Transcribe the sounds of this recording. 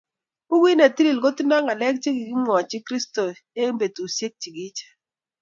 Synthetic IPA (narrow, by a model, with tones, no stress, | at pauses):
u˦wi˦ne˨ti˦li˨lko˦ti˦na˦ŋa˨lɛ˦k̚t͡ʃe˦ɡi˨ɡi˦mwɔ˨t͡ʃɪ˦kɾi˦sto˨e˦mbe˨tu˨sje˦k̚t͡ʃi˨ɡi˦t͡ʃe̥˨